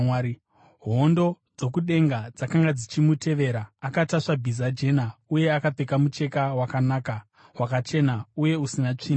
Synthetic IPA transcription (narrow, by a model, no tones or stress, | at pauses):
a | ɦo̞ndo̞ | d͡zo̞kuɗe̞ŋɡad͡zakaŋɡad͡zit͡ʃimute̞ʋe̞ɾaːkataʂabʱizad͡ʒe̞nauje̞akape̞kamut͡ʃe̞kawakanaːka | wakat͡ʃe̞nauje̞usinat͡ʂiːna